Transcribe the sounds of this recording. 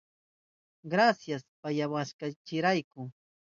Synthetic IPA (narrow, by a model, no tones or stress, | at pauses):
ɢɾasjaspajawaskat͡ʃɪɾajkʊ